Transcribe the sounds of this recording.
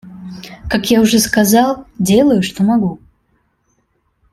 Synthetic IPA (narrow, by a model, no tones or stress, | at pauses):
kakjaʊʐɛskɐzɑlˠdʲelˠəjʊʂt̪omɐɡu